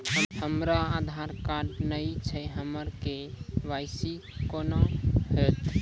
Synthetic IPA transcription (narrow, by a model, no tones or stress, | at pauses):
həmɾaːd̪ʱaɾkaɖnəit͡ʃʰəɦəməɾkeʋaɪsi | konohet̪